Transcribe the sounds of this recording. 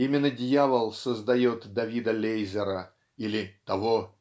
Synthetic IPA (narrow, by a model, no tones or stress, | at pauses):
imʲɪnːədʲjavəlˠsəzd̪ɐjo̞t̪d̪ɐvʲid̪əlʲejzʲɪɾə | ilʲɪt̪ɐvo